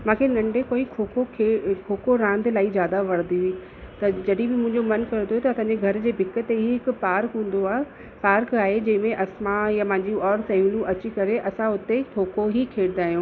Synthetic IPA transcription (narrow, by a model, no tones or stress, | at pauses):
mãːkʰenɐ̃ɳɖekoːikʰoːkokʰekʰoːkoɾãːnd̪ʱlaːizjaːd̪aʋɐɽ̤d̪iui | t̪ɐd͡ʑɐɗibɪmʊ̃ɦɪ̃ɲd͡ʑomɐnkɐɾõt̪oɦet̪ɐsãːɲd͡ʑeɡʱɐɾd͡ʑeːbʱɪkət̪eɦiɦɪkʊ̆paːɾkɦũːn̆d̪oaː | paːɾkaːɦed͡ʑɐ̃ɦɪ̃mẽʔɐsmajamãːɲd͡ʑiɔːɾsɐjũːlũʔɐt͡ɕikɐɾeʔɐsãʊt̪ekʰoːkoɦikʰeːɽɪd̪aːɦijõː